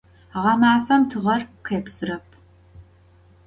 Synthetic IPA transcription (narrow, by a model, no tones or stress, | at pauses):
ʁɐmaːfɐmtʰɨʁɐrqʰeːpsɨrɐpʰ